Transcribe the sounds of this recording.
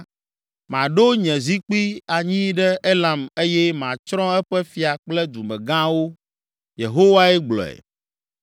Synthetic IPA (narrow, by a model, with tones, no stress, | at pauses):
mã˨ɖo˦ɲɛ̃˨zi˦k͡pi˦a˨ɲĩ˦ɖɛ˦e˦lã˨me˦jɛ˦mã˨t͡ʃɾɔ̃˦ɛ˦ɸɛ˦fi˨a˨k͡plɛ˦d̪u˨mɛ̃˨ɡã˦wo˦ | je˨ɦo˦wa˦ɛ˦ɡ͡blɔ̰˨ɛ̰˨